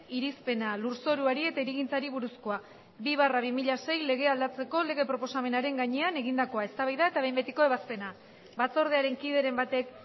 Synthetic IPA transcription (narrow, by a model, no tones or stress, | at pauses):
iɾispe̞naluɾso̞ɾuaɾie̞t̪aiɾiɣint͡saɾiβuɾusko̞a | biβ̞araβ̞imiʎase̞jle̞ɣ̞e̞ald̪at͡se̞ko̞le̞ɣ̞e̞pɾo̞po̞same̞naɾe̞ŋɡaɲe̞ane̞ɣind̪ako̞aest̪aβajðae̞t̪aβe̞jmbe̞t̪iko̞e̞βaspe̞na | bat͡so̞ɾð̞eaɾe̞ŋkiðe̞ɾe̞mbat̪e̞k